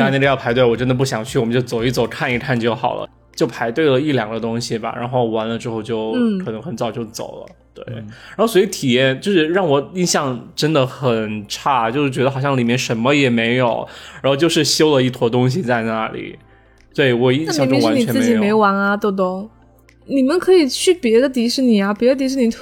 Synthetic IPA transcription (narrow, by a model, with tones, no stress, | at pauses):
a˥˧n˥˩˧jɑ˥˩pʰa˧˥ɪwe˥˩ɪwɔ˨˩ʈ͡ʂə˥nd̪ə˨˩p̬u˥˩ɕjɑ˨˩ŋt͡ɕʰy˥˩ɔ˨˩mə˦t͡ɕjo˥˩ʊt͡so˨˩ʊi˥˩t͡so˨˩ʊkʰa˥˧ni˧˥tʰa˥˧nt͡ɕjo˥˩ʊxɑ˨˩ʊlə̰˦ | t͡ɕjo˥˩ʊpʰa˧˥ɪt̪we˥˩ɪlə˩i˥˩ljɑ̰˨˩ŋd̪ə˦t̪ʊ˥ŋɕi˨˩ba̰˩ɻa̰˧˥nxo˥˩ʊwa˧˥nlə˧ʈ͡ʂɻ̩˥xo˥˧ʊt͡ɕjo˥˩ʊ˥˩ɤ˨˩ɤ˧˥ŋxə˧˥nt͡sɑ˨˩ʊt͡ɕjo˥˩ʊt͡so̰˨˩ʊlə̰˦t̪wḛ˥˩ɪɻa˧˥xo˥˩ʊswɔ˧˥i˧˥t̪ʰi˨˩jɛ˥˧nt͡ɕjo˥˧ʊʂɻ̩˥˧ɻɑ˥˩ŋwɔ˧˥i˥˧nɕjɑ˥˩ŋʈ͡ʂə˥nd̪ə˨xə˨˩nʈ͡ʂʰa˥˩t͡ɕjo˥˧ʊʂɻ̩˥˩t͡ɕɥɛ˧˥d̪ə˧xɑ˨˩ʊɕjɑ˥˩ŋli˨˩mjɛ˥˩nʂə˧˥nmə˧jɛ˨˩me˧˥ɪjo˨˩˦ʊɻa˧˥nxo˥˧ʊt͡ɕjo˥˧ʊʂɻ̩˥˩ɕjo˥ʊlə˨˧i˥˩t̪ʰwɔ˧˥t̪̬ʊ˥ŋɕ̬i˨t͡sa˥˧ɪna˥˩lḭ˨˩˦ | t̪we˥˩ɪwɔ˨˩i˥˧na˥˨jɑ˥ŋ˧˩ʈ͡ʂʊ˥˧ŋwa˧˥n˥ni˨ɛ˧˥m̩˥e˧˥t͡ɕi˨jme˧˥ɪwa˧˥nɐ˧t̪o˥˩t̪̬o˥˩ | ni˨˩mə˧˦nkʰɤ˧˥i˨˩t͡ɕʰy˥˩pjɛ˧˥d̪ə˧t̪̬i˧˥ʂɻ̩˧˥ni˨˩ɐ˦pjɛ˧˥d̪t̪̬ʂɻ̩˧˥ni˧˩